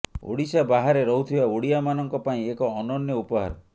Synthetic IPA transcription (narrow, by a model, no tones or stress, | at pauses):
ṵɽisabaɦaɾeɾɔɦut̪ʰibauɽiamanɔŋkɔpaĩekɔːnɔnjɔupɔɦa̰ɾɔ